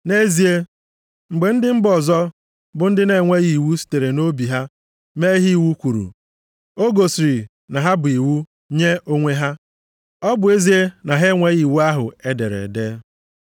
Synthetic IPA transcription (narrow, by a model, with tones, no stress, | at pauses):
ne˦zi˨e˦ | ŋ͡m̩˨ɡ͡be˨n̩˦dɪ˦m̩˦bɔ˨zɔ˦ | bʊ˨n̩˦dɪ˦ne˨ŋʷe˦ɣi˨wu˦si̥˨te˨ɾe˨no˦bi˨ɦa˦ | me˦ɦi˦˨wu˦kʷu˨ɾṵ˨ | o˦ɡo˨si˨ɾi˨ | na˨ɦa˦bʊ˨i˨wu˦ | ɲe˦ʔo˦ŋʷe˦ɦa˦ | ɔ˦bʊ˨˦e˦zi˨e˦na˨ɦe˦ŋʷe˦ɣi˨wu˦a˦ɦʊ̰˨e˦dḛ˨ɾḛ˨de˦